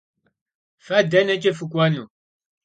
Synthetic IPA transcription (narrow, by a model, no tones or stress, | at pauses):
fadanɛt͡ʃʼefukwanu